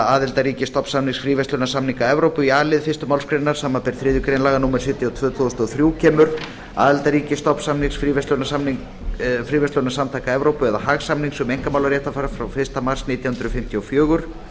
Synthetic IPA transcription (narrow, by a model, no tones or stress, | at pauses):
aːðɪlt̪aɾiːcɪst̪ɔpsamniŋsfɾiːvɛst̪lœnasamniŋkaɛvɾowpʏiaːlɪðfɪst̪ʏmawlskɾejnːaɾ̥saːmapɛɾ̥θɾɪːðʏkɾejnlaːɣanuːmɛɾ̥sɪt̪jat̪ʰvœːt̪ʰoðɔst̪ɔθɾjuːcʰɛːmʏɾ̥ | a̰ːðɪlt̪aɾiːcɪst̪ɔpsamniŋsfɾiːvɛst̪lœnasamniŋ | fɾiːvɛst̪œnasamt̪ʰajkaɛvɾowpʏɛðahaɣsamniŋsɛmejŋkamawlaɾjɛht̪afaːɾafɾawfɪ̥st̪amar̥sniːt̪jawhʏnt̪ɾʏfɪm̥t̪ʰjɔfjœːɣʏɾ̥